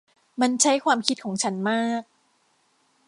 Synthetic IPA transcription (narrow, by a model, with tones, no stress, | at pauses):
ma˧nt͡ɕʰa˦˥jkʰwaː˧mkʰi˦˥t̪̚kʰɔː˩˦ŋt͡ɕʰa˦˥nmaː˥˩k̚